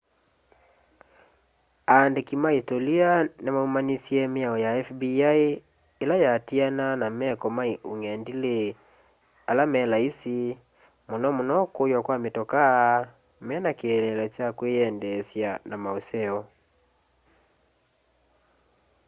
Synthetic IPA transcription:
andekimaistɔlianamaumanisiɛmeaɔjaɛfbiai | elajatiananamɛkɔmaiuŋɛndile | alamɛlaisi | monɔmonɔkojwakwametɔka | mɛnakiɛlɛlɛt͡ʃakweɛndɛsjanamaosɛɔ

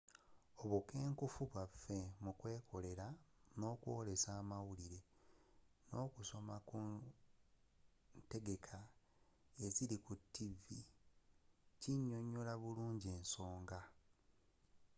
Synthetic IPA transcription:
o̞βuke̞ːŋkufuβwafe̞mukwe̞ːkʰo̞le̞ɾano̞ːkwo̞ːle̞saːmawuliɾe̞ | no̞ːkuso̞maku | te̞ɡe̞kʰa | e̞zilikutːivi | ciɲːo̞ɲːolaβuluːɲɟie̞ːnso̞ːŋɡa

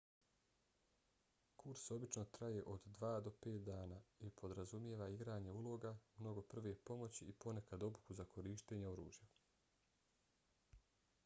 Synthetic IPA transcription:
kʰuɾso̞bit͡ʃno̞t̪ɾaje̞ʔo̞d̪ːʋaːd̪o̞pe̞ːt̪d̪aːnaːipʰo̞d̪ɾazumjeːʋaiɡɾaːɲe̞ulˠo̞ɡamno̞ɡo̞pr̩ʋepo̞mo̞t͡ɕiipo̞ne̞kad̪o̞bukuzakʰo̞ɾiːʃt̪eɲeoɾṵːʒja

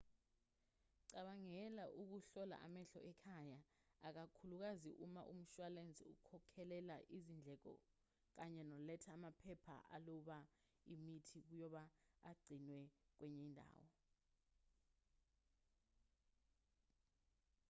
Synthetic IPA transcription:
ǀaɓaŋɛlaʔuk̬uɬɔla̰ʔamɛɬɔʔɛkʰajaːk̬akʰuluk̬azḭʔuma̰ʔum̩ʃwalend͡zʱḭukʰɔkʰɛlɛlaʔizind͡ɮʱɛk̬ɔ̰ | k̬aɲɛnɔlɛtʰaːmapʰɛpʰa̰ʔa̰lɔɓa | imitʰik̬ujɔɓaːɡ͡ǀʱinwɛk̬wɛɲɛindʱa̰ːwɔ

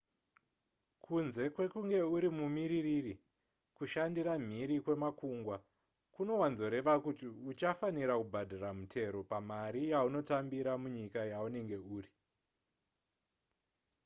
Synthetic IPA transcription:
kʰunze̞kwe̞kuŋɡe̞uɾimumiɾiriri | kuʃandiram̤iɾikwe̞makuŋɡwa | kuno̞wanzo̞ɾe̞ʋakutiut͡ʃafaniɾakubʱadʱaramutʰe̞ɾo̞pamaɾijauno̞tambiɾamuɲikajaune̞ŋɡe̞uːri

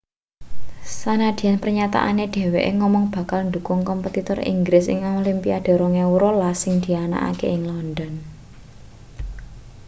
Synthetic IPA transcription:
sanad̪̥i̤anpərɲat̪a̰ʔa̰neɖ̪̥e̤weʔeŋɔmɔŋb̥a̤kalnd̪ṳkʊŋkɔmpət̪it̪ɔrḭŋɡɾɪsɪ̰ŋolimpiaɖ̥e̤ɾoŋewuɾɔlasɪŋd̪̥i̤ana̰ʔa̰kḛɪŋlɔnd̪ɔn

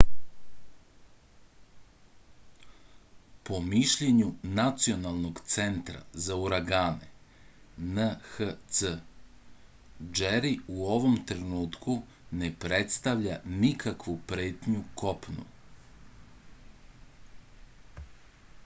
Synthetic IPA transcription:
po̞miʃʎeɲunat̪sio̞nalˠno̞ɡt̪se̞nt̪ɾa̰zauɾaɡaːnḛ | nəxət̪sə | d͡ʒeɾiuo̞ʋo̞mt̪ɾenuːt̪ku | ne̞pɾet̪st̪aʋʎanikʰakʋupɾeːt̪ɲukopnṵ

